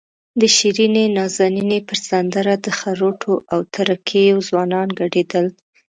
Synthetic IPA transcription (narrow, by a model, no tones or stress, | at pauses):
d̪əʃiɾinenɑzaninepəɾz̥and̪aɾad̪əxaɾoʈʰoʔawt̪ʰaɾakʰejozwɑnɑnɡaɖed̪əl